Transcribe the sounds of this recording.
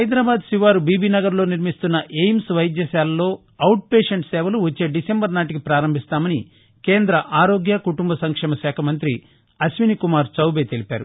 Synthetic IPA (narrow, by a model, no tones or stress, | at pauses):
ɦɐjd̪ɾaːbaːd̪siʋaːɾubiːbiːnɐɡɐɾlo̞ːniɾmist̪unːɐʔejmsʋɐjd̪jɐsaːlɐlo̞ː | ɐwʈ̚peːʂɐɳʈsɛːʋɐluʋɐt͡ʃːe̞ːɖisembɐɾnaːʈikipɾaːɾɐmbʱist̪aːmɐni | ke̞ːnd̪ɾɐʔaːɾo̞ːɡjɐkuʈumbɐsɐŋkʂɛːmɐsɛːkʰɐmɐnt̪ɾi | ɐsʋinikumaːɾt͡ʃɐwbeːt̪elipa̰ːɾu